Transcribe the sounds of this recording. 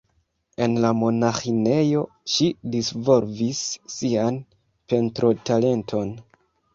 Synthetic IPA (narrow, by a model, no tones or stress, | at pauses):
e̞nlamo̞naxine̞jo̞ | ʃidisvolvisːian | pe̞ntɾo̞tale̞ntʰo̞n